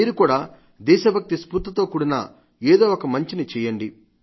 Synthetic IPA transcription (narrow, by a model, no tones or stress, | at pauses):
iːɾukuːɽaː | d̪ɛːʃɐbʱɐk̚t̪ispuɾt̪ːɐt̪o̞ːkuɽinɐ̰ | eːd̪o̞ːɔkɐmɐɲt͡ʃinit͡ʃɛːjɐɳɖi